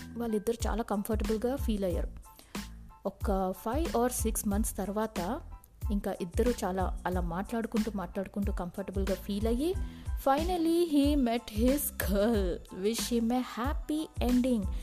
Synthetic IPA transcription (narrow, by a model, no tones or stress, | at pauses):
ʋaːlːid̪ːɐɾut͡ʃa̰ːlaːkɐmpʰɐɾʈɐbɐlɡaːfʰiːlɐjːa̰ːɾu | ɔkɐpʰajʋaːɾsiksmɐnt̪st̪ɐɾʋaːt̪ɐ | iŋkaːʔid̪ːɐɾut͡ʃaːla̰ːɐlaːmaːʈlaːɽukuɳʈuːmaːʈlaːɽukuɳʈuːkɐmpʰɐɾʈɐbɐlɡaːfʰiːlɐjifɐjnɐliɦiːmeʈɦizkʰɐlʋiʂɐmeːhaːpieɳɖiŋɡ